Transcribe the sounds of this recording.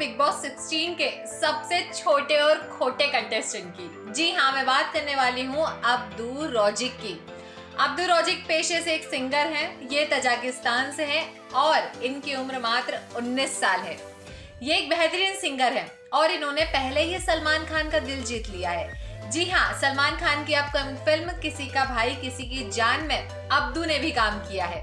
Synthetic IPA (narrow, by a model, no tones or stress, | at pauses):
pɪk̚bɔːksɪksʈiːnke | sɐbset͡ʃʰoːʈeɔːɾkʰoːʈekɐ̃ɳʈesʃənkiː | d͡ʒiɦãmɛ̃ːbaːt̪̚kɐɾneʋaːliɦũɐb̚d̪uɾɔːd͡ʒɪkːi | ɐb̚d̪uɾɔːd͡ʒɪk̚peːʃeseːksɪ̃ŋɡəɾɦɛ̃jet̪ɐd͡ʒaːkɪst̪aːnseɦɛ̃ | ɔːɾɪnkiʊmɾmaːt̪ɾʊnːiːsːaːlɦɛ̰ː | jeeːk̚bɛɦt̪ɾiːnsɪ̃ŋɡəɾɦɛ̃ː | ɔːɾɪnɦõːnepɛɦleɦisɐlmaːnkʰaːnkad̪ɪld͡ʒiːt̪lijaɦɛːd͡ʒɪɦãsɐlmaːnkʰaːnkiɐb̚kɐ | fɪlmkɪsikabʱaːikɪsikid͡ʒaːnmẽ | ɐb̚d̪unebʱikaːmkijaɦɛː